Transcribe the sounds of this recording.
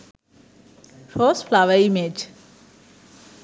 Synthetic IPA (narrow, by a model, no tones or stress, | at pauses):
fɔsflaʋəimed͡ʒ